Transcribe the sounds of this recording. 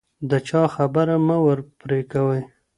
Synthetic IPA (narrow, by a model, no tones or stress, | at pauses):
d̪ət͡ʃɑxabəɾamawəɾpɾekawəj